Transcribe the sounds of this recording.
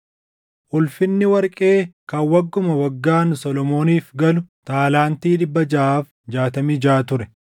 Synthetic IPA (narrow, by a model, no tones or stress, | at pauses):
ʔʊlfɪnːɪwɐɾkʼe̞ːkɐwɐɡːʊmɐwɐɡːaːnsɔlɔmo̞ːniːfɡɐlʊt̪aːlaːnt̪iːd̪ɪbːɐd͡ʒɐʔaːf | d͡ʒaːt̪ɐmid͡ʒaːt̪ʊɾɛ